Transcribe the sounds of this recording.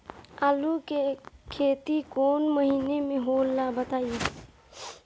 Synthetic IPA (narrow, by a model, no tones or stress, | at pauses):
aːlukekʰeːt̪ikoːnməɦiːnemẽɦoːlːabət̪aːi